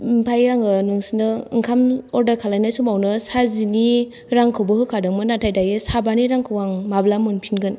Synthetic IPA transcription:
mpʰajaŋɯnɯŋsinɯɯŋkʰamɔɾdəɾkʰalajnɯsumawnɯsazini | ɾaŋkʰɯwbɯhɯkʰadɯŋmɯnatʰajdajɯsabaniɾaŋkʰɯwaŋmablamɯnpʰinɡɯn

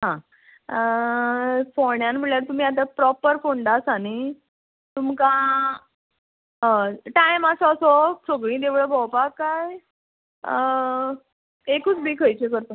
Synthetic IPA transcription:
ɦã | foɳjanm̤əɭjaɾt̪um̤iːat̪̬apɾɔpəɾfoɳɖasañi | t̪umka | ɦəʈajmasɔsɔt͡sʰoɡɭĩt̪eʋɭəbʱɔwpakːaj | ekuːt͡sbʱiːkʰəjt͡ɕekəɾt̪o

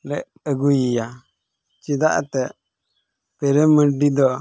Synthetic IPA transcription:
lɛʔ | əɡujija | t͡ʃid̪a̰ʔt̪ɛʔ | pɛɾɛməɖid̪ɔ

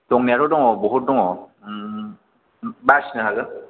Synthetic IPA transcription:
tɔŋniaɾɔdɔŋɔbɔɦut̚dɔŋɔ | basnɯɦalɯ

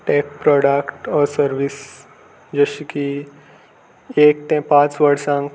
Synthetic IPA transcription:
ʈeːk̚pɾɔːɖəkʈɔːɾsəɾʋɪs | d͡ʒeʃki | eːk̚t̪ẽpãːt͡ʃʋəɽsãŋ

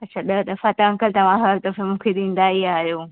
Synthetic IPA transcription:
ɐtːɕʰaɗɐd̪ɐfat̪ɐɐ̃ŋkəlt̪ɐʋ̤ãɦɐɾd̪ɐfẽmũːkʰeɗ̪ĩːn̆d̪aːiaːɦijoː

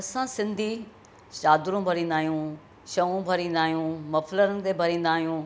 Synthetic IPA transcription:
ɐsãsɪ̃nd̪ʱi | t͡ʃaːd̪ʊɾũbʱɐɾĩːn̆d̪aːɦijũ | ʃɐʋũbʱɐɾĩːnd̪aːɦijũmɐfləɾənɪ̆t̪ebʱɐɾĩːn̆d̪aːɦijũː

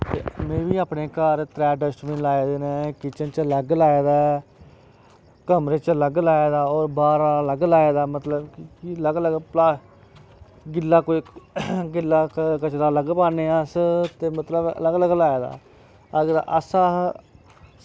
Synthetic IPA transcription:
t̪ḛːmẽːʋiːaːpneːkəːɾt̪ɾɛːɖəsʈmẽːlaːeːd̪eːnẽːkɪt͡ʃənt͡ʃləɡlaːeːd̪aː | kəmɾeːt͡ʃələɡlaːeːd̪aːɔːɾbaːɾãləɡlaːeːd̪aːmət̪ləbkkiləɡləɡplaː | ɡɪlːaːkoːiɡɪlːaːkət͡ʃd̪aːləɡpaːneːãːst̪eːmət̪ləbə̰ləɡləɡlaːeːd̪a̰ː | əɡɾʔəsãː

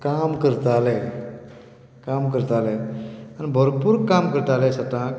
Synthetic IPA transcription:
kamkəɾt̪alɛ | kamkəɾt̪aleanibʱəɾpuːɾkamkəɾt̪alɛsat̪ãk

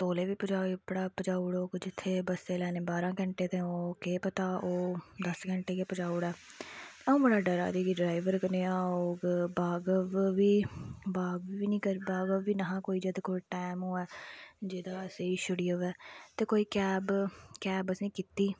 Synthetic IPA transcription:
t̪oːleːʋiːpəd͡ʒaːipəɽaːpəd͡ʒaːʊɽoːɡd͡ʒɪt̪ʰːeːbəseːlɛːneːbaːɾãːkə̃ɳʈeːt̪ẽːoːkeːpət̪aːʔoːd̪əskə̃ɳʈeːkeːpəd͡ʒaːʊɽɛː | əũːbəɽaːɖəɾa̰ːd̪iːɡiːɖɾaːɪʋəɾkəneːaːoːɡbaːɡəʋʋiːbaːɡiʋiːnĩːkəɾbaːɡəʋːiːnəɦãːkoːiːd͡ʒed̪koːiʈɛːmoːɛːd͡ʒeːd̪aːəseːiʃʊɖiːəʋɛːt̪eːkoːiːkɛːbkɛːbəsĩːkit̪iː

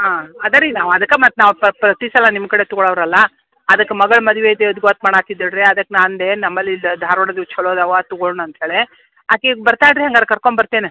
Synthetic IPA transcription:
ɦaːɐd̪ɐɾinaːʋɐd̪ɐkːemɐt̪ːnaːʋpɾpɾɐt̪isɐlɐnimkɐɽe̞t̪ɔɡɐɭɐʋɐɾɐlːɐ | ɐd̪ɐkːemɐɡɐɭmɐd̪ɐʋeid̪eud̪ɡoːt̪̚mɐɳaːt̪id̪ɐɖɾeɐd̪ɐkːnaːnd̪enɐmːɐlːilːɐd̪ʱaːɾʋɔɽɐd̪it͡ʃʰɐɭoːd̪ɐʋat̪ɔɡoɭɳɐnt̪ɦeːɭe | aːkeɡbɐɾt̪aːjɖɾeɦɐŋɡɐd̪ɾɐkɐɾkoɳbɐɾt̪eːne

